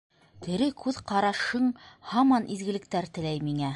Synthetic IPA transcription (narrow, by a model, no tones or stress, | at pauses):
t̪ʰɘ̆ɾɘkʉðqɑɾɑʃɤɴhɑmɑnʔizɡɘ̆lɘ̆k̚t̪æɾt̪ɘ̆læjmiŋæ